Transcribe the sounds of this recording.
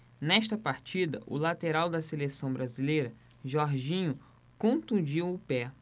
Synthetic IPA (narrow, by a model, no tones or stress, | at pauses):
nɛʃt̪ɐpaɾt͡ʃid̪ɐ̰ʔʊ̰lat̪eɾawd̪ɐselesɐ̃w̃bɾazilejɾɐ | ʒɔɾʒĩɲʊ | kõt̪ũd͡ʒiw̃ʊpɛ